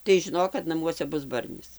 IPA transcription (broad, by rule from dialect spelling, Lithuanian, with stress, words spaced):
tɐɪ ʒʲɪˈnoːk kɐt nɐˈmuɔsʲɛ ˈbʊs ˈbɐrʲnʲɪs